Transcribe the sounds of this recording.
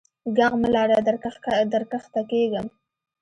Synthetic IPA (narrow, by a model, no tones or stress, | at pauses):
ɡaɣməlɑɾad̪d̪aɾkaxt̪akeɡəm